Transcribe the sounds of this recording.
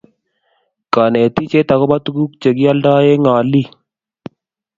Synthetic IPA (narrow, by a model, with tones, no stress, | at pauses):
ka˨ne˨t̪i˦t͡ʃe˦t̪a˨ko˦ba˦t̪u˦ku˦k̚t͡ʃe˨ɡi˦a˦lda˦je˦ŋa˨li˦